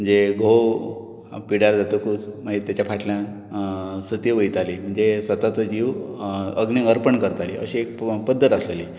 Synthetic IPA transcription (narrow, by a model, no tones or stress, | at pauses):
mm̤əɳd͡zeɡʱo | piɽaɾd͡zat̪okuːt͡sm̤ə̃d͡zet̪jat͡ɕapʰaʈʰljã | sət̪jəʋəjt̪alim̤əɳd͡zesʋət̪at͡sɔd͡ʑiʋəɡniəɾpəɳkəɾt̪alḭə̰ɕiek̚pəd̪ʱːət̪asleli